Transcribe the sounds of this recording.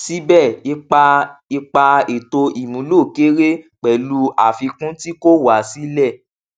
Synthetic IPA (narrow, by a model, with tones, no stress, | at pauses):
si˦bɛ˦˨i˧k͡pa˧i˧k͡pa˧e˨to˧i˨mũ˨˦lo˦˨ke˦ɾe˦k͡pɛ˨lu˧a˨fi˧kũ˦ti˦ko˦wa˨si˦lɛ˦˨